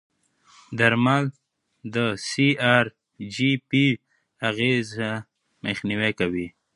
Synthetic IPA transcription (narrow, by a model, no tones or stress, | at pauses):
d̪aɾmal | d̪əsiaɾ | d͡ʒipi | aɣeza | məxniwekawi